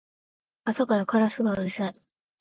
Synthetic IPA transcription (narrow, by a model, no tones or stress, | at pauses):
asakaɾakaɾasɨbaɾisai